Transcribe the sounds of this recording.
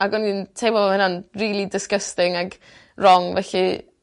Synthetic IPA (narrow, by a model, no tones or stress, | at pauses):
aɡɔnintʰejbɔmahɪnanriːlˠidɪskəstɪŋaɡ | rɔŋvɛɬi